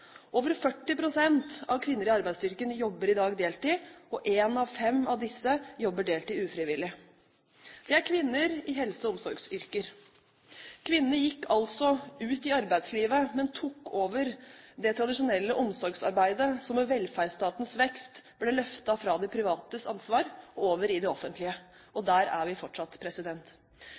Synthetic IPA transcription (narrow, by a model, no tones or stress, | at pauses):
ʔoːʋəɾfœʈːɪpʰɾʊsɛnt̪ɑʋkʰʋɪnːəɾɪɑɾbæɪsʏɾkənjɔbːəɾɪd̪ɑːɡd̪eːlt̪ɪɔʔeːnɑʋfɛmːɑʋd̪ɪsːəjɔbːəɖeːlt̪ɪʉːfɾɪʋɪlɪ | d̪̥ɛæɾkʰʋɪnːəɾɪɦɛlsəɔɔmsɔɾɡsʏɾkəɾ | kʰʋɪnːəjɪkːɑlt̪sɔʉːt̪ɪɑɾbæɪd̪sliːʋəmɛnt̪ʰuːkːoːʋəɾd̪ɛt̪ʰɾɑd̪ɪʂʊnɛlːəʔɔmsɔɾɡsɑ̰ɾbæɪd̪əsɔmɛʋɛlːfæːɾst̪ɑːt̪ən̩sʋɛkst̪b̥lɛlœft̪ɑfɾɑd̪ɛpʰɾɪʋɑːt̪əsɑnsʋɑːɾɔoːʋəɾɪd̪ɛɔfənt̪ʰlɪə | ɔd̪æːɾæ̰ʋɪfɔʈʂɑt̪ːpʰɾɛsɪd̪ɛnt̪